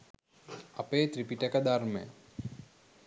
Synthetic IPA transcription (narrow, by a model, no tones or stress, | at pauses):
ɐ̰peːt̪ɾipiʈəkəd̪armə̰j̰